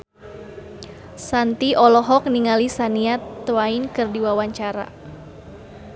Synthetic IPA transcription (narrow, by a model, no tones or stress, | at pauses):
sant̪iʔɔlɔɦɔk̚niŋalisaniat̪ːwainkɨrdiwawaɲt͡ʃaɾa̰